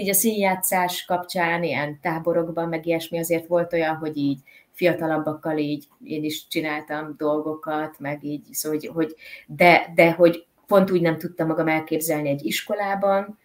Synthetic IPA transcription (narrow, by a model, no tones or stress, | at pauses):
iːɟɒsiːnjaːt̪saːʃkɒpt͡ʃaːneːjɛnt̪aːbo̞ɾo̞ɡbɒmːɛɡiɛʃmiɒzeːrt̪ʋo̞lt̪o̞jɒnɦo̞ɟiːɟfijɒt̪ɒlɒbːɒkːɒliːɟ | eːniʃt͡ʃinaːlt̪ɒmd̪o̞lɡo̞kɒt̪mɛɡiːɟsoɟɦo̞ɟd̪ɛd̪ɛɦo̞ɟ | po̞nt̪uːɟnɛmt̪ut̪ːɒmːɒɡɒmɛlkeːbzɛlniɛɟːiʃko̞laːbɒn